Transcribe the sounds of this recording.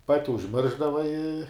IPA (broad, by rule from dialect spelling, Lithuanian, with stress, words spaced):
ˈpɑːtʲɪ ʊʒʲˈmʲɪrʒdɐʋɐ ɪ